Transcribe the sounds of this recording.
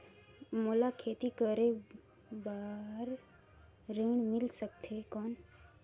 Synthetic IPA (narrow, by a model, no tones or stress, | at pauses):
moːlakʰeːt̪ikəɾe | baːɾ | ɾiːɳmɪlsəkt̪ʰekɔːn